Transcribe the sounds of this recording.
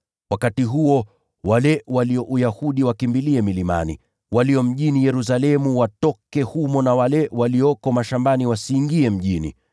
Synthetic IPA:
wakatiɦuɔ | walɛwaliɔʔujahuɗiwakimbiliɛmilima̰nḭ | waliɔm̩ʄinijɛɾus̬alɛmuwatɔkɛhumɔnawalɛwaliɔkɔmaʃambaniwasiːŋɡiɛm̩ʄinḭ

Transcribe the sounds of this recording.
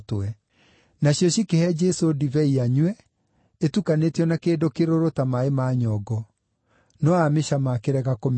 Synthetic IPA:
tɛ | naɕjɔɕikehɛd͡ʒɛsodivɛiaɲwɛ | etukanetjɔnakeːdokeɾoɾotamaemaɲɔɡɔ | nɔameɕamakeɾɛɣakom

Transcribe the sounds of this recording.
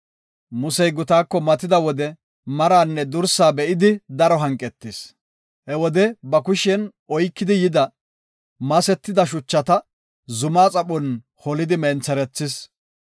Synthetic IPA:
mʊsɛjɡʊt̪aːkːɔmɐt̪ɪd̪ɐwɔd̪ɛ | mɐɾaːnːɛd̪ʊɾsaːbɛʔɪd̪ɪd̪ɐɾɔɦɐŋkʼːɛt̪ːɪs | hɛwɔd̪ɛbɐkʊʃɛn | ɔjkːɪd̪ɪjɪd̪ɐ | mɐsɛt̪ːɪd̪ɐʃ̬ʊt͡ʃːɐt̪ɐ | zʊmaːt͡sʼɐpɔn | hɔlɪd̪ɪmɛnt͡sɛɾɛt͡sːɪs

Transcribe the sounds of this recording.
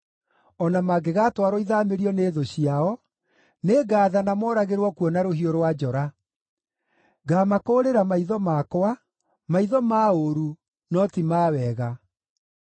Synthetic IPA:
ɔnamaɡeɣaːtwaɾɔiðameɾiɔneðoɕiaɔ | neɡaːðanamɔɾaɣeɾwɔkwɔnaɾoɦioɾwad͡ʒɔɾa | ɡaːmakoːɾeɾamaiðɔmaːkoa | maiðɔmaːoɾu | nɔtimaːwɛɣa

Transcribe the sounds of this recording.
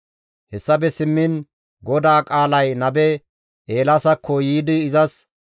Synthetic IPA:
hɛsːɐbɛsɪmːɪn | ɡɔd̪aːkʼaːlɐjnɐbɛ | ʔeːlasɐkʰːɔjiːd̪ɪːzɐs

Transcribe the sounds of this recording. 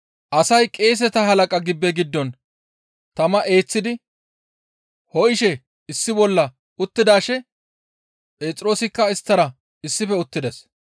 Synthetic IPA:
ʔɐsɐjkʼe̞ːs̬ɛt̪ɐɦɐlɐkʼɐɡɪbːɛɡɪd̪ːɔn | t̪ɐmɐʔe̞ːt͡sːɪd̪ɪ | hɔʔɪʃɛ | ɪsːɪbɔlːɐ | ʊt̪ːɪd̪aːʃɛ | pʼe̞ːt͡sʼɾo̞ːsɪkːɐɪst̪ːɐɾɐ | ɪsːɪfɛʊt̪ːɪd̪ɛs

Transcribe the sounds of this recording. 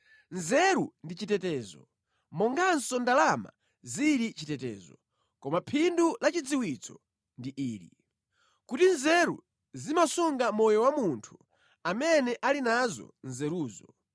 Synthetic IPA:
nzɛɾundit͡ʃitɛtɛːzɔ | mɔŋɡansɔndalama̰ | ziɾit͡ʃitɛtɛ̰ːzɔ | kɔmapʰindulat͡ʃid͡ziwit͡sʰɔ | ndiʔiːɾi | kutinzɛɾṵ | zimasuŋɡamɔjɔwamuntʰu̥ | amɛnɛʔalinazɔ̰nzɛɾuːzɔ

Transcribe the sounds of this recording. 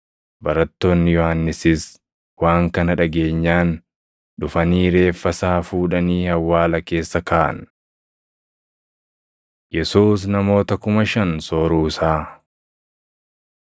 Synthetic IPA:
bɐɾɐt̪ːo̞ːnːɪjɔhanːɪsɪs | waːŋkɐnɐᶑɐɡe̞ːɲːaːn | ᶑʊfɐniːɾe̞ːfːɐsaːfuːᶑɐniːhɐwːaːlɐke̞ːsːɐkaːʔɐ̰n | jɛsuːs̬nɐmo̞ːt̪ɐkʊmɐʃɐnsoːɾuːɪsaː

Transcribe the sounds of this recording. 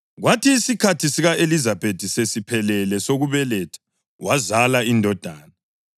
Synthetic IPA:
ɣwatʰiːsikʰatʰisiɣaʔelizab̥ʱed̥ʱisesipʰɛlɛlɛsoɣuβɛlɛtʰḁ | wazalaindʱɔd̥ʱaːna

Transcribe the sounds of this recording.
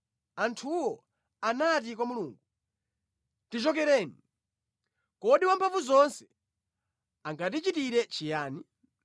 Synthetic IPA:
antʰuwɔ | anat̬ikwamuluːŋɡu | tit͡ʃɔkɛɾɛːni | kɔɗiwampʰaɱvuzɔnsɛ̥ | aŋɡat̬it͡ʃitiɾɛt͡ʃijaːni

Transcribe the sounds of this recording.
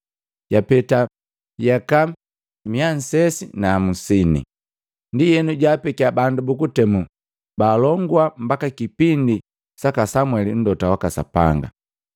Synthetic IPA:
ɟapɛta | jaka | mian̩sɛsinaːmusinḭ | ndijɛnuɟapɛkabandubukutɛmu | baːlɔŋɡwam̩bakakipindi | sakasamwɛlin̩dɔtawakasa̰pa̰ŋɡa̰

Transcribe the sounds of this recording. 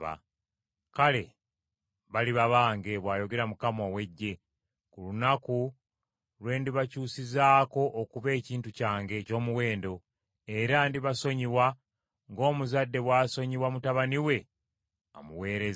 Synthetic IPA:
a̰ | kale̞ | βaliβaβaːŋɡe̞βwaːjo̞ɡe̞ɾamukamowe̞ɟːe̞ | kulunaku | lwe̞ːndiβacuːsizaːko̞ʔːkuβe̞ːciːntucaːŋɡe̞co̞ːmuwe̞ːndo̞ | e̞ɾandiβaso̞ɲiwa | ŋɡo̞ːmuzadːe̞βwaːso̞ɲiwamutaβaniwe̞ | omuwe̞ːɾez

